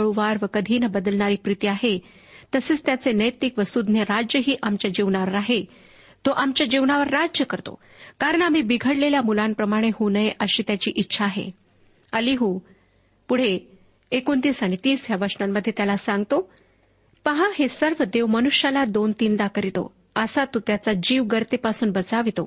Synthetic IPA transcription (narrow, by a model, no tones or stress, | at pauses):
ɭuʋaɾʋəkəd̪ʱiːnəbəd̪əlɳaɾiːpɾit̪iaɦe | t̪əseːt͡st̪jat͡senəjt̪ikʋəsud̪ʱnjəɾad͡ʑjəɦiːʔamt͡ɕjad͡ʑiʋɳaʋəɾaɦe | t̪oʔamt͡ɕjad͡ʑiʋnaʋəɾːad͡ʑjəkəɾt̪o̰ | kaɾəɳ̃am̤iːbiɡʱəɽleljamulampɾəmaɽ̃eɦunəjʔəɕiːt̪jat͡ɕiːʔitːɕʰaːɦḛ | əliɦu | puɽ̤eː | kont̪iːsaɽ̃it̪iːsɦjaʋəɾsɳamːəd̪ʱːjet̪jalasãŋɡt̪o | pəɦãɦesəɾʋəd̪eʋmənuɕjalad̪ont̪iːnd̪akəɾit̪o̰ | əsat̪ot̪jat͡sad͡ʑiːʋɡəɾt̪epasuːnbət͡saʋit̪o̰